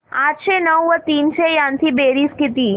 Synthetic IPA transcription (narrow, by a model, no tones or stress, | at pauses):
aʈʃenəwʋət̪iːnʃejãnt̪ʰibeɾiskit̪iː